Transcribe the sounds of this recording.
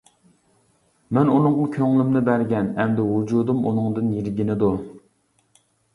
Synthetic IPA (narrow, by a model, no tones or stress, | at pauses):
mɛnunɨŋʁʊkʲʰøŋlɪmnɪbæɾɡʲɛnɛmd̪ɛwud͡ʒud̪umṵnɨŋd̪ɨnjeɾɡʲinɪd̪u